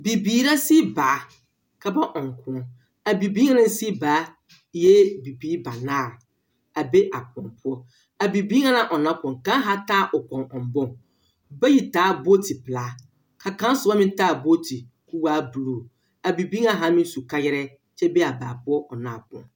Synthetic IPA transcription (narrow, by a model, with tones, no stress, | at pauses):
bi˨biː˨ɾa˦si˦baː˨˦ | kʰa˨ba˦ʔɔ̃˨ŋ˨kʰʷʊ̃˦ | a˨bi˨biː˦ã˦nã˦n˦si˦baː˨˦ | jɛ˦bi˨biː˦ba˨nãː˦˨ | a˨be˦ʔa˨kʰɔ̰̃˨npʰʊ˦ɔ˦ | a˨bi˨bi˦ã˦nã˨ʔɔ˨nã˨˦kʰɔ̃˨ŋ˨kã˦ɦa˦taː˦˨ʔɔ˨kʰɔ̃˨nɔ̃˨m˨bɔ̃˦˨ | ba˦ji˨tʰaː˨˦bo˦tʰi˨pla˨˦ | kʰa˨kã˦n˦sʊ˨˦a˦mɪ̃˦n˦ta˦˨bo˦tʰi˨ | ku˦wa˦bu˨ɾu˨ | a˨bi˨bi˦ã˨ɦa˨˦mɪ̃˦su˨ka˦jɪ˦ɾɛ˦ | t͡ɕʰɛ˦be˦a˨baː˨pʊ˦ɔ˦ʔɔ˨nãː˨kɔ̰̃˨n